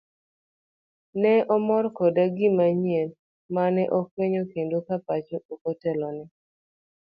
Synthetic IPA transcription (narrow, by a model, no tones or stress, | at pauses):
nɛɔmɔɾkɔdaɡɪmaɲiɛl | manɛʔɔkweɲokendokapat͡ʃookɔtɛlɔnɪ